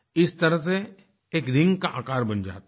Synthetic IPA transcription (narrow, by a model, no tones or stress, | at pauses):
ɪst̪ɐɾəs̬e | eːkɾɪ̃ŋɡkaʔaːkaːɾbɐ̃nd͡ʒa̰ːt̪